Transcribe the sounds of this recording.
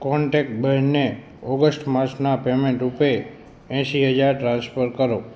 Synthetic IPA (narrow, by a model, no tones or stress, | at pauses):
kɔɳʈekʈbəɾne | ɔɡəsʈmaɾt͡ʃnapemẽɳʈupe | ɛ̃ʃiɦəd͡ʒaɾʈɾãnspəɾkəɾo